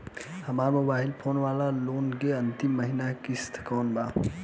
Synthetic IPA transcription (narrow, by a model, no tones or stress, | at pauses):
hɐmaːɾmʊbaːɦɪlpʰoːnʋaːlaloːnkeɐ̃nt̪ɪmːɐɦinakɪst̪ʰkɔːnbaː